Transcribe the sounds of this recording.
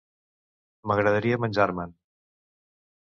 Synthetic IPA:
məɣɾəðəɾiəmənʲd͡ʒaɾmən

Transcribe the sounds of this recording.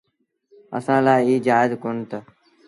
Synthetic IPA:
ə̰sãːlaːiːd͡ʒaːɪzkoːnt̪aː

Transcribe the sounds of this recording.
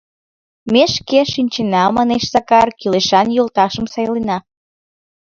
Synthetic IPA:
meʃkeʃinʲt͡ɕenɑmɑneʃzɑkɑrkyleʃɑnjolt̪ɑʃəmsɑjlenɑ

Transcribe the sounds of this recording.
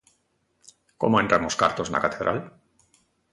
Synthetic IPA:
ko̞̰moent̪ɾamoska̰ɾt̪ozna̰kat̪e̞ðɾʔa̰l

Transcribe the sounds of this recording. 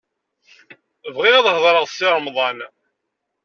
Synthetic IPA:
vʁiðɑðˤhðˤɾˤəʁsiɾˤmðˤɑn

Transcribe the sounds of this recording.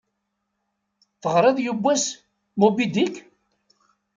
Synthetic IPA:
θəʁɾˤeðˤjubʷːæs | mubid̪ik

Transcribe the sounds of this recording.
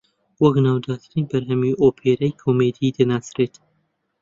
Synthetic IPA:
wɐknɑwd̪ɑːt̪ʰɨɾinbɐɾɦɐmujʔoːpʰeːɾɐjkʰoːmed̪iːd̪ɨnasɾet̪

